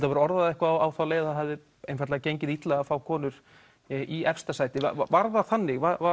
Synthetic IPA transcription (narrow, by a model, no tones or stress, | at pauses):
lt̪avɛɾaɔɾðaðɛhkvaawawθawleːjððaðɦɛvðɪ | ejnfaɾt̪aacejɲcɪðit̪lɛɣafaːwkʰɔːnʏɾ̥ | ʔiɛfst̪asaːjt̪ɪva̰vaɾðaθanːɪɣvaa